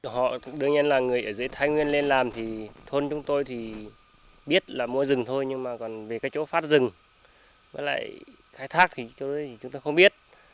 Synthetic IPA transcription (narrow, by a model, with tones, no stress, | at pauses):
hɔ̰˧˨ɗɨ˧əŋɲə˧nlaː˨˩ŋɨ˨˩əjʔəː˧˩zɨ̰˧˦əjt̪ʰaː˧jŋwi˧ənle˧nlaː˨˩mt̪ʰi˨˩t̪ʰo˧nt͡ɕʊ˨˦ŋ͡mt̪o˧jt̪ʰi˨˩ | ɓi˦˥ət̚laː˨˩mu˧˦əjzɨ˨˩ŋt̪ʰo˧jɲɨ˧ŋmaː˨˩kɔ˨˩nve˨˩kaː˨˦˥kt͡ɕo˨˦faː˦˥t̚zɨ˨˩ŋ | vəː˨˦jla̰ː˧˨j | xaː˧˥jt̪ʰaː˦˥k̚t̪ʰi˨˩t͡ɕt̪ːjt̪ʰi˨˩t͡ɕʊ˨˦ŋ͡mt̪o˧jxə˧ŋ͡mɓi˦˥ət̚